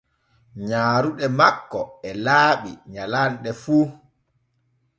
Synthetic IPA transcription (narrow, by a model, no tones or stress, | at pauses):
ɲaːɾuɗɛmakːɔɛlaːɓḭɲalanɗɛfuː